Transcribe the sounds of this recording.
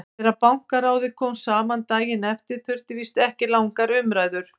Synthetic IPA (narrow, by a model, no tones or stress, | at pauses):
ɛɾapawŋ̥kaɾaːwðɪkʰɔmsaːmant̪aːjɪnɛft̪ɪɾ̥θʰʏɾ̥t̪ɪvist̪ɛhcɪlawŋkaɾʏmɾaːjðʏɾ̥